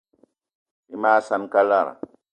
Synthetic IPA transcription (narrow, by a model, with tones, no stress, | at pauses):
i˨˦maː˦sa˦nka˦lːa˦˨ɾa̰˨